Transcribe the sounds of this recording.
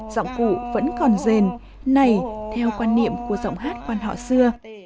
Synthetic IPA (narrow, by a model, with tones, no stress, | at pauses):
za̰˧˨wŋ͡mkṵ˧˨və̰˧˥nkɔ˨˩nze˨˩n | na˨˧˩jt̪ʰɛ˧wkwaː˧nːḭ˧˨əmku˧˩əza̰˧˨wŋ͡mɦaː˦˥t̚kwaː˧nɦɔ̰˧˨sɨ˧ə